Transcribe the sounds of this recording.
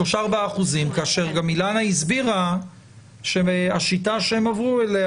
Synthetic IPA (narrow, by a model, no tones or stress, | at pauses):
oʃaaʁbaːχuzimkaːʃe̞ʁɡamilanaizbiʁa | ʃeaʃitaʃeemavʁuele